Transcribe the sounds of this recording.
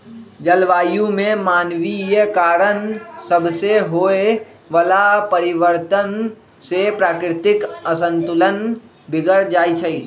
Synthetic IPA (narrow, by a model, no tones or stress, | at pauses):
d͡ʒəlʋaːjũmẽmaːnʋijekaːɾənsəbʱseɦoːe | ʋəlapəɾɪʋəɾt̪ən | sepɾaːkɾɪt̪ɪkəsə̃nt̪ʊlən | bʱɪɡəɾd͡ʒaːit͡ʃʰəi